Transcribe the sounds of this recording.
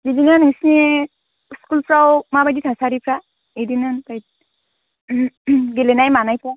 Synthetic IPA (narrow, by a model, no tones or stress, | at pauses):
zidinanhɯsine | skulpɾawmabajditʰasaɾipʰɾa | edinanbaj | ɡelɛnajmanajpʰɾa